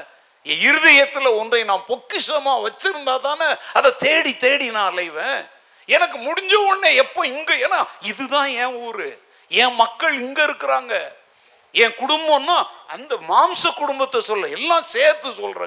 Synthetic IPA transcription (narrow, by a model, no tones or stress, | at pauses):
ɛ̃ɪɾɯðɐjɐt̪ːɪlɐɔndrɐɪnãːpɔkːɪʂɐmaːʋɐt͡ʃːɪɾɯnd̪aːt̪ãːnɐɐðɐt̪eːɽit̪eːɽinãːɐlɐɪʋẽː | ɛnɐkːɯmʊɽɪɲd͡ʒɐʋoɳːeːɛpːoɪŋɡeeːnːaːɪðɯt̪ãːɛ̃ːɔːɾɯ | ɛ̃ːmɐkːɐɭɪŋɡeɪɾɯkːɪɾaːŋɡɐ | ɛ̃ːkʊɽʊmbɐ̃nːaːɐ̰nd̪ɐmaːmsɐkːʊɽʊmbɐt̪ːɐsɔlːɐɛlːãːseːɾt̪ɯsɔlːrɐ̰̃ː